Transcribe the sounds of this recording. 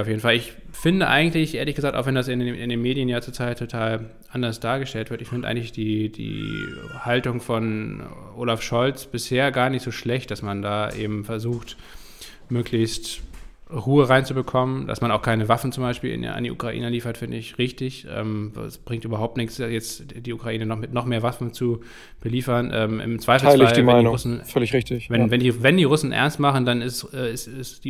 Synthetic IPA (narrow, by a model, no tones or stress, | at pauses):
jaʊfjeːdn̩falɪçfɪndəʔa̰ɪɡŋ̩tlɪçʔeːɐlɪçɡəzaːk̚tʔaʊxv̥ɛndasɪnɪndeːnmeːdjənjaːt͡suːɐt͡sʰaɪtʰːotʰaːl | ʔandɐsd̥aːɐɡəʃtɛltv̥ɪɐtɪçfɪndəʔaɪɡŋ̩lɪçd̥iːd̥ḭːhaltʊŋfɔnʔoːlafʃɔlt͡sb̥ɪsheːɐɡaːɐnɪçtz̥oːʃlɛçt̚d̥asmandaːʔḛːbm̩fɛɐzuːxt | møːkʰlɪçst | ʁuːəʁaɪnt͡subəkʰɔmənd̥a̰smanaʊxkʰaɪnəvafn̩t͡sʊmbaɪʃpiːlɪ̰n̰a̰ndiːʔṵkʁ̥aʔḭːnəliːfɐtfɪndəɪçʁɪçtɪçʔɛ̰ːmvsb̥ʁɪŋktʔyːbɐɦaʊp̚tnɪçsjɛt͡sd̥iːukʁ̥aʔiːnənɔmɪtnɔχmeːɐvafn̩t͡su | b̥əliːfɐnʔɛ̰ːmʔɪ̰mt͡sv̥aɪfl̩asɪlaçldimaɪinʁʊsn̩fœlɪçʁɪçtɪçvɛnvɛndiːvɛndiːʁʊsn̩ʔɛ̰ɐnstmaχn̩danɪsɛːɪsɪsi